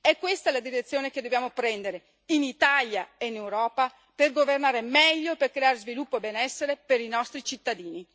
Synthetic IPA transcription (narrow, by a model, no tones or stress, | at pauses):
ɛkːwest̪alad̪iɾet̪sːjoːneked̪ːobjaːmopɾɛnd̪eɾe | init̪aljaeinewɾɔːpa | perɡovernaːɾemɛʎːoeperkɾeaːɾezvilupːoebenɛsːeɾepeɾinɔst̪ɾit͡ʃit̪ːad̪iːni